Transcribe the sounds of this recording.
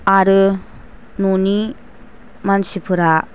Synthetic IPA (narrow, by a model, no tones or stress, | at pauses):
aɾɯ | nuni | mansipʰuɾa